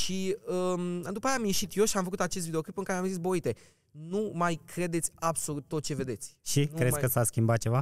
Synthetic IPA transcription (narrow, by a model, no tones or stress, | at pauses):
ʃiəd̪upajaːmjiʃit̪jo̞ʃiamfəkut̪at͡ʃest̪vid̪eoklipɨŋkaɾeamzis̬boit̪e̞ | numajkɾe̞d̪e̞t̪sʲabso̞lut̪ːot̪̚t͡ʃe̞ve̞d̪e̞t̪sʲʃikɾesʲkəsaskʲimbat̪̚t͡ʃe̞va